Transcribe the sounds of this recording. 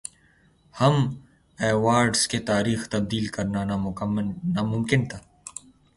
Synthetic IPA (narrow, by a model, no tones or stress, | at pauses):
hɐm | ɛːwaːɾɖsket̪aːɾiːxt̪ɐb̚d̪iːlkɐɾnanamʊmːnamʊmkɪnt̪ʰaː